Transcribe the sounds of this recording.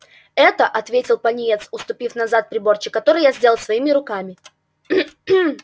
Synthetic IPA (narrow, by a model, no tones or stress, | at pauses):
ɛt̪əʔɐt̪vʲetʲɪlˠpɐnʲɪjet̪sʊst̪ʊpʲifnɐzat̪̚pɾʲɪbo̞rt͡ɕɪkːɐt̪o̞ɾɨjazʲdʲe̞lˠlˠsvɐimʲɪɾʊkamʲɪ